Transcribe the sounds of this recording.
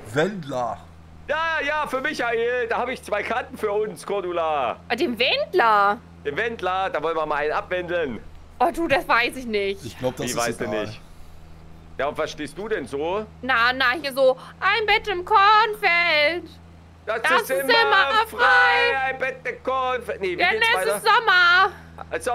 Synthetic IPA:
vɛndlɐ | jaːjaːfyːɐmɪçaʔeːldaːhaːbəɪçt͡sv̥aɪkʰaɐtn̩fyːɐʊnskʰɔɐdulaːdeːmvɛndlɐ | d̥eːmvɛndlɐd̥aːvɔlənviɐmaʔaɪnʔapv̥ɛndl̩n | ʔɔduːdasv̥aɪsɪçnɪçtɪçɡlabdiːvaɪsd̥unɪ̰ç | jaːʊntvaɐsʃteːst̚d̥uːdɛnzoːnanahiːɐzoːʔaɪnbɛtɪmkʰɔɐnfɛlt | d̥asd̥sɪsmɪmaɐfʁaɪɪɪaɪnbɛt̚d̥ɛkʰɔnfɛneanɛaɪz̥ɔmɐ | s

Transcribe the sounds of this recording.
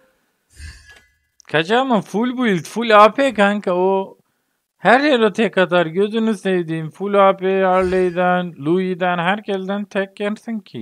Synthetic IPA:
kʰɐt͡ʃaːmafulbuit̪fulaːpʰekaŋkao | hæɾheɾot̪ʰekːɐt̪ʰaɾɡøzynusejd̪iːnfulaːpeaɾlejd̪anlujid̪ænɦæɾkeld̪ænt̪ʰɛkːɛnsinkʰḭ

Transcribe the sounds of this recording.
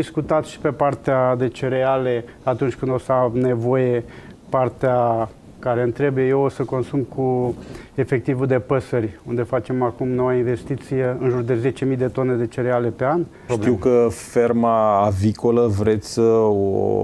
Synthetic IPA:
iskut̪at̪ʃi̥pe̞part̪ead̪e̞t͡ʃe̞ɾeale̞ | at̪unt͡ʃʲkɨnd̪osəane̞vo̞je̞ | part̪ea | kaɾe̞ɨnt̪ɾe̞buje̞jeosəko̞nsumkʰu | efek̚t̪ivud̪e̞pəsərʲund̪e̞fat͡ʃe̞makumno̞wainve̞st̪it̪sije̞ɨnʒurd̪e̞ze̞t͡ʃe̞mijd̪e̞t̪o̞ne̞d̪e̞t͡ʃe̞ɾeale̞pe̞an | iuwkəfe̞rmaːviko̞ləvɾe̞t̪sʲsəo̰

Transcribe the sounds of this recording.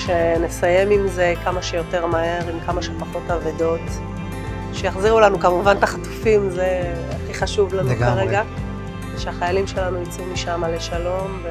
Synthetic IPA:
ʃenesaje̞mimze̞kamaʃejo̞te̞ʁmahe̞ʁimkamaʃepaχo̞tavedo̞t | ʃejaχziʁulanukamuvant̪aχatu̥fimzeaχiχaʃuvlanuɡkaʁeɡa | zeʃeaχajalimʃe̞lanujit͡sumiʃamaleʃalo̞mve

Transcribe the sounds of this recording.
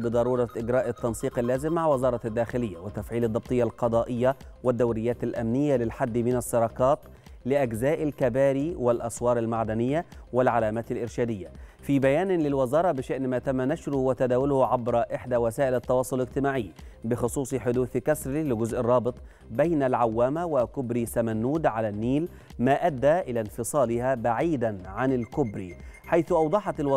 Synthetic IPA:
bɨd̪ˤɑɾˤuːɾˤɑʔɪɡɾæːʔɪt̪ːɑnsˤiːqɪlːaːzɪmːaʕwɪzɑːɾˤɑd̪ːaːxɪlɪjːawɪt̪ːafʕiːlɨd̪ˤːɑb̚t̪ˤɨjːalqɑd̪ˤɑːʔɪjːawɪd̪ːawɾɪjːaːt̪ɪlʔamnɪjːalɪlħad̪ːmɪnæsːɑɾˤɑːqɑːt̪ | lɪʔaɡzaːʔɪlkabaːɾiːwɪlʔɑsˤwɑːɾˤɪlmaʕd̪anɪjːawɪlʕalaːmaːt̪ɪlʔɪɾʃæːd̪ɪjːafiːbæjaːnlɪlwɪzɑːɾˤɑbɪʃaʔnmaːt̪amːanaʃɾʊhwɪt̪ad̪aːwʊlhʕabɾʔɪħd̪æwæsaːʔɪlɪt̪ːɑwɑːsˤʊlɪɡt̪ɪmaːʕɪjːbɪxʊsˤuːsˤħʊd̪uːθkasɾilɪɡʊzʔɪrˤːɑːbɨt̪ˤ | bajnalʕawːaːmawɪkʊbɾisamænːuːd̪ʕalænːiːl | maːʔad̪ːaːʔɪlaːnfɨsˤɑːlɪhaːbaʕiːd̪anʕanɪlkʊbɾḭː | ħajθʊʔɑwd̪ˤɑħɑt̪ɪlw

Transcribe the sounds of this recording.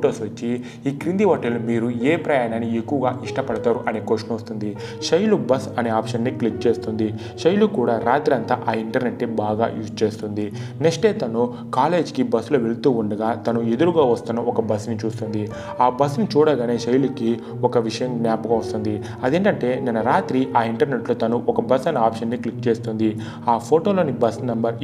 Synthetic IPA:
foʈoːsʋɐt͡ʃːi | iːkɾind̪iɦɔʈɐlumiːɾueːpɾɐjaːnaːniekːuʋɐɡaːʔiʂʈɐpɐɽɐt̪aːɾuʔɐneːkoːʂɐnʋɐst̪und̪i | ʃɐjlubɐsɐneːaːpʂɐnːiklik̚t͡ʃeːst̪und̪i | ʃɐjlukuːɽaːɾaːt̪ɾɐnt̪aʔaːiɳʈɐɾne̞ʈːibaːɡa̰ːjuːst͡ʃe̞ːst̪und̪ineksʈe̞ːt̪ɐnu | kaːle̞ːd͡ʒkibɐsloːʋelut̪uːuɳɖɐɡaːt̪ɐnued̪uɾuɡaːʋɐst̪unːɐɔkɐbɐsnit͡ʃuːst̪und̪i | aːbɐsnit͡ʃuːɽɐɡaːne̞ːʃɐjluki | ɔkɐʋiʂɐjɐmɡnʲaːpɐɡɐːʋɐst̪und̪i | ɐd̪e̞ːɳʈɐɳʈe̞ːnɐnɐɾaːt̪ɾiʔaːiɳʈɐɾne̞ʈloːt̪ɐnuʔɔkɐbɐsɐneːaːpʂɐnːiklikt͡ʃe̞ːst̪und̪i | aːpʰo̞ːʈo̞ːlo̞ːnibɐsnɐmbɐɾ

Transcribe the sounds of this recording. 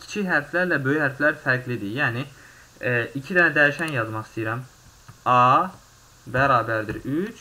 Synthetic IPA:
cʰi̥t͡ʃʰiɦæɾflæɾlæbøjyhæɾflæɾfæɾɡlid̪ijæːni | icʰid̪ænæd̪æjiʃænjɑzmɑχst̪ʰijiɾæm | ɑ | bæɾɑːbæɾd̪ḭɾyt͡ʃʰ

